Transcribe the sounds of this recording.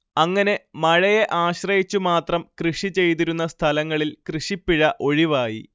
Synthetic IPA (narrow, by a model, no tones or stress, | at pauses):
ɐŋːɐne̞mɐɻɐjeʔaːɕrɐjit͡ɕːumaːt̪rɐmkrɨʂit͡ɕe̞jt̪iɾun̪ːɐst̪ʰɐlɐŋːɐɭilkrɨʂipːiɻɐʔo̞ɻiʋaːjḭ